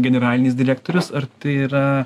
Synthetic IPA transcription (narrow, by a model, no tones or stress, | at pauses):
ɡʲɛnʲɛɾɑːlʲɪnʲɪsd̪ʲɪɾʲæːk̚t̪oːɾʲʊsɐɾt̪ɐɪiɾɐ